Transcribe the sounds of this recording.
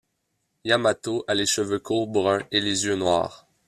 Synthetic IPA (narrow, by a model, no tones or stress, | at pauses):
jamat̪oʔaleʃəvøkʰuʁbʁœ̃elezjønwa̰ːʁ